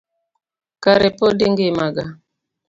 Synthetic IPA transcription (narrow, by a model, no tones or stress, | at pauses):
kaɾepɔdiŋɡemaɡa